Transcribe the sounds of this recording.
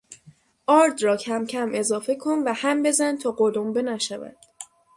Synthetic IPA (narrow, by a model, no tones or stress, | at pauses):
ʔɒːɾd̪rɒːcʰæmcʰæme̞zɒːfe̞kʰo̞nvæhæmbe̞zænt̪ʰɒːɢolombe̞næʃævæ̰d̪̥